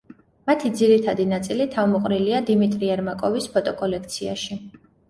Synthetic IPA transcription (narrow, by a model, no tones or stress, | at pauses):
mat̪ʰid̪ziɾit̪ʰad̪inat̪sʼilit̪ʰavmɔqʼɾiliad̪imit̪ʼɾiɛɾmakʼɔvispʰɔt̪ʼɔkʼɔlɛkʰt̪sʰia̰ʃi